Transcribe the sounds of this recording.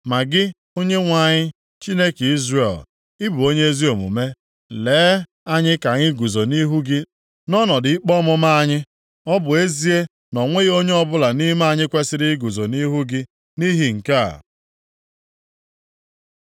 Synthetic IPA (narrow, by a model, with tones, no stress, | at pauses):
ma˨ɡɪ˦ | o˦ɲe˦ŋʷa˨ɲɪ˦ | t͡ʃi˦ne˦ke˨i˦zre˨l | ɪ˦bu˨o˦ɲe˦e˦zi˦o˨mṵ˨me˦ | leː˨˦ | a˦ɲɪ˦ka˨ŋɪ˦ɡu˨zo˨ni˦ɦu˦ɡɪ˦ | nɔ˦nɔ˨dɪ˨i˦k͡pɔ˦mʊ˦ma˦a˦ɲɪ˦ | ɔ˦bʊ˨e˦zi˦e˦ | nɔ˨ŋʷe˦ɣo˦ɲe˦ɔ˦bʊ˦la˨ni˦ma˦a˦˨ɲɪ˦kʷe˦sɪ˦ɾɪ˦ɡu˨zo˨ni˦ɦu˦ɡɪ˦ | ni˦ɦi˨ŋ̩˨ka̰˦˨